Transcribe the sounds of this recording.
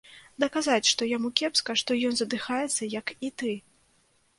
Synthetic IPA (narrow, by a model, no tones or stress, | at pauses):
d̪ɐkazat͡sʲʂt̪ɔjamukʲɛpskɐʂt̪ɔjɔnzɐd̪ɨxajɛt̪sːɐjɐkit̪ɨ